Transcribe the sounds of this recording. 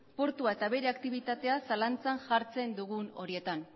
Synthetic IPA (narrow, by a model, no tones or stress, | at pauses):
po̞ɾt̪uae̞t̪aβe̞ɾe̞akt̪iβit̪at̪e̞asalant͡sanʝaɾt͡se̞nd̪uɣuno̞ɾie̞t̪an